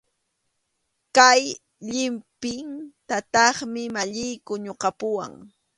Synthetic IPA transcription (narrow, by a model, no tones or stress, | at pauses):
kaj | ʎɪmpɪŋt̪at̪ɑχmɪmaʎɪjkʊɲoqɑpʊwa̰ŋ